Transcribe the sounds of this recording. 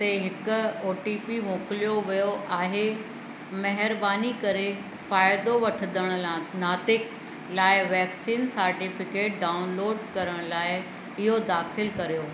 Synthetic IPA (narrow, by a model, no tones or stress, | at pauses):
t̪ɐɦɪkʊ̆oːʈiːpimoːkɪlijoʋijoʔaːɦe | mɐɦɪɾbaːnikɐɾe | faːɪd̪oʋɐʈʰəd̪əɽ̃ʊnaːt̪ɪk | laːɪʋɛːksiːnsɐɾʈɪfɪkeːʈ̚ɖaːʊnloːɖkɐɾəɽ̃laːɪ | ɪɦod̪aːxɪlkɐɾijoː